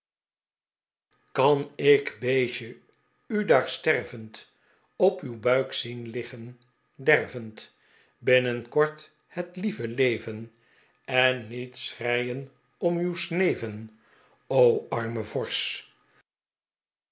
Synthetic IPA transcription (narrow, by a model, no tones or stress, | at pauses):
kɑnɪkbeːʃə | ydaːɹstɛrvənt | ɔpywbœɥksinlɪχən | dɛrvənt | bɪnənkɔɹt | hətlivəlejvən | ɛnːitsrɛjən | ɔmywsnejvən | owɑɹməvɔɹs